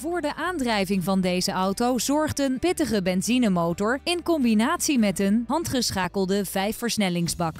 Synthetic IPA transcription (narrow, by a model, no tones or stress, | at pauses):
vʊːɹdəʔaːndrɛjvɪŋvɑndejzəʔɑwtowzɔɹχtənpɪtəχəbɛnzinəmowtɔɹɪnkɔmbinaːtsimɛtənɦɑntχəsχaːkəlˠdəv̥ɛjfəɹsnɛlɪŋzbɑk